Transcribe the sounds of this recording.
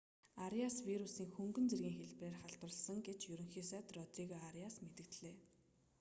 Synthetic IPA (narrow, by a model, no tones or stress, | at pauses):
aɾjaswiɾusiːŋxɵŋɡɵ̆nt͡serɣʲiːŋxeɮpreːrχaɮt̪wə̆ɮsə̆ŋɡet͡ɕjɵɾɵ̆ŋxiːsæːt̪rɔt̪riːɣaaɾjasmet̪ɘ̆kt̪ɮeː